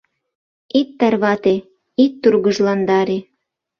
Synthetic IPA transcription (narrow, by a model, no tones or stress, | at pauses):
it̪ːɑrβɑt̪e | it̪ːurɣəʒlɑnd̪ɑɾe